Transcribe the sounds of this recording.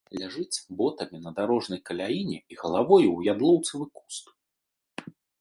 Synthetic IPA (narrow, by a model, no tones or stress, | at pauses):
lʲaʐɨt͡sʲbɔt̪ɐmʲinɐd̪aɾɔʐnɐjkɐlʲajinʲɛiɣɐlˠavɔjuwjad̪lˠɔwt̪sɐvɨku̥st̪